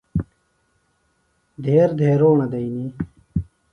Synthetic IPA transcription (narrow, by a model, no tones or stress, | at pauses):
d̪ʱeːɾd̪ʱeːɾoːnɐd̪ɐini